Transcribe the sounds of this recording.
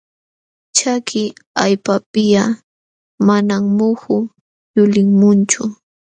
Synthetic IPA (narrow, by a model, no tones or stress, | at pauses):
t͡ʃakʰɪajpapɪja | manaŋmʊhʊ | jʊlɪŋmʊnt͡ʃʊ